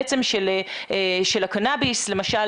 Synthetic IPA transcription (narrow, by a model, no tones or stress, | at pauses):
t͡semʃele | eʃelakanabisle̞maʃa